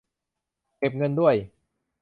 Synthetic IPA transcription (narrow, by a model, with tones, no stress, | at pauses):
ke˨˩p̚ŋɤ˧ndu˥˩əj